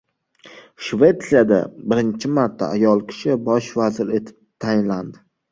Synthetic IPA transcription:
ʃve̞t̪sijad̪a̰bɪɾɪnt͡ʃʰɪmaɾt̪ʰːa̰ːjɒlˠkʲʰɪ̥ʃɪbɒʃvazɪɾe̞t̪ʰɪ̥p̚t̪ʰajɪnland̪ɪ

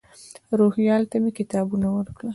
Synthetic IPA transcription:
ɾohjɑlt̪amekɪt̪ɑbunawəɾkɽa

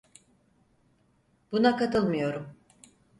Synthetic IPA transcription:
b̥unakat̪ɯlˠmɯjo̞ɾum

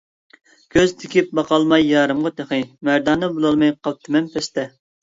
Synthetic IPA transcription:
ɡ̥ʲʰøzt̪ʰɪkʲip̚bɑqʰɑlˠmɑjːɑːɾɨmʁɑt̪ʰeχɨmæɾd̪ɑːnɨbulˠɑlˠmɑjqʰɑl̚ˠt̪ʰɪmɛmpʰɛst̪ɛ

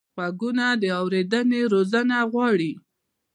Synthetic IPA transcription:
waɡunad̪əawɾed̪əneɾozənaɣwɑɽi

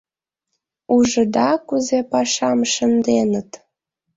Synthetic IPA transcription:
uʒəd̪ɑkuzepɑʃɑmʃənd̪enət̪

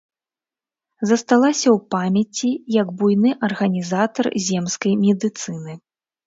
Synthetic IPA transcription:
zɐst̪alˠasʲɐwpamʲɐt͡sʲijɐɡbujnɨʔɐrɣɐnʲizat̪ɐrzʲɛmskɐjmʲɛd̪ɨt̪sɨnɨ

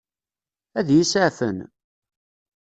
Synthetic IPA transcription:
æðjisəʕfə̰n

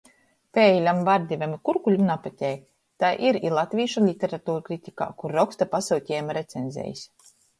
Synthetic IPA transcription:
pʲeːjlʲamvaɾd̪ʲivʲamikuɾkulʲumnapat̪ʲɛːj | t̪ajʔiɾilˠat̪ʲvʲiːʃulʲit̪ʲeɾat̪uːɾkɾit̪ʲika̰ːkuɾːɔkst̪apasuwt̪ʲɛːjmaɾet̪senzʲɛ̰ːjisʲ

